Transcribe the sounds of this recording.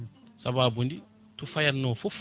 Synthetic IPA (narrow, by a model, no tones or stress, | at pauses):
sababundi | t̪ufajanofuf